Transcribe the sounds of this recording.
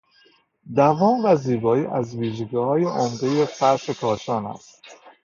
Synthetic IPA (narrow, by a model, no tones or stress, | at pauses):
d̪ævɒːmvæziːbɒːiːʔæzviːʒeɡihɒːjeʔomd̪e̞jefæɾʃe̞kʰɒːʃɒːnæ̰st̪